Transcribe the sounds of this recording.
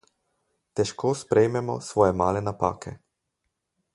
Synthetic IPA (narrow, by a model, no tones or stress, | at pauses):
t̪ɛʃkoːspɾʔɛjmɛmɔ̰sʋɔːjɛmaːlɛnapa̰ːkʰɛ̰